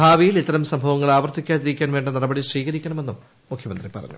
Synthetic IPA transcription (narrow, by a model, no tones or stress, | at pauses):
aːʋijilit̪ːɐɾɐmsɐmbʱɐʋɐŋːɐɭaːʋɐrt̪ːikʲːaːt̪iɾikʲːaːnʋeːɳɖɐnɐɽɐbɐɽiɕriːɣɐɾikʲːɐɳɐme̞nːum | mukʰjɐmɐ̰nd̪ripɐrɐ̰ɲːṵ